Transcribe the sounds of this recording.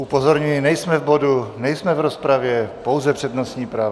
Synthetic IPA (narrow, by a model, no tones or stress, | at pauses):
upozoɾɲujinɛjsmɛvbodunɛjsmɛvɾospɾavjɛpowzɛpr̥ɛd̪nosɲiːpɾaːv